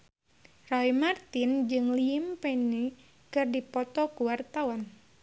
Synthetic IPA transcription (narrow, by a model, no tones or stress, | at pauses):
raimart̪ind͡ʒɨŋliimpɛni | kɨrdipɔt̪ɔkuwart̪awan